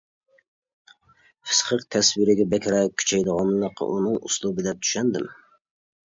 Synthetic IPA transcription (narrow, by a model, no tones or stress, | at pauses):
fɨ̥sqʰəqt̪ʰɛswiɾɪɡʲɛbɛkʲɾɛkʲʰy̥t͡ʃʰɛjd̪əʁɑnlˠɑqʰːɑ̰ʔunɨŋṵslˠubɨd̪ɛp̚t̪ʰy̥ʃɛnd̪ɪm